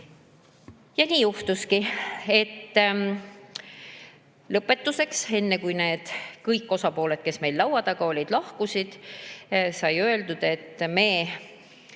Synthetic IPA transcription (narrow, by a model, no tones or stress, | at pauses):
jɑniːjuht̪uskie̞t̪ː | lɤpːˑe̞t̪ːuse̞kse̞nːekujne̞ːd̪̥kɤjkːo̞sɑpo̞ːle̞d̪̥̚ke̞sme̞jlːlɑwɑd̪̥ɑɡ̥ɑo̞lʲid̪̥lɑhkusid̪̥ | sɑjø̞eld̪ud̪̥e̞t̪ːme̞ː